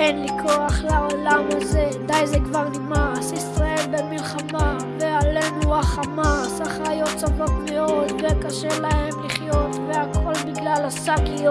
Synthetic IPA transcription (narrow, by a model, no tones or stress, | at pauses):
enlikʰo̞aχlaolamaze̞d̪ajzekvaʁnimasisʁaelbemilχama | vealenuaχamasaχajo̞t̪savokmeo̞d̪vekaʃelahemliχjo̞t̪veakʰo̞lbiɡlalasakijo